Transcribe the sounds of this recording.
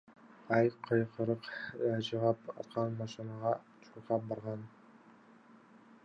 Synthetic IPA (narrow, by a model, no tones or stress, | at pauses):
ajqʰɤjqʰɤɾɤqad͡ʒʰɑʁɑpɑ̰t̪qʰɑnmɑʃɪnɑʁɑ | t͡ʃʰʊ̥ɾqɑp̚bɑɾʁɑn